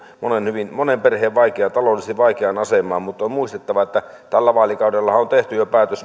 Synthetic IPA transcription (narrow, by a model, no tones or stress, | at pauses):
monenhyʋinmonemperheːʋʋɑikeɑt̪ɑlolːˑisiʋʋɑˑikeɑnɑsemˑɑːmmut̪ːˑommuist̪et̪ːɑʋɑet̪ːæ | t̪ælːæʋɑːlikɑˑudelːɑhɑont̪eht̪yjopæːt̪øs